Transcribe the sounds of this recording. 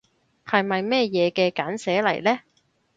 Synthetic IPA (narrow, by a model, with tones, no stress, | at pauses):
hɐ˨jmɐ˨jmɛː˥˧jɛː˨˧kɛː˧kaː˨˥nsɛː˨˥lɐ̰˨˩jlɛː˥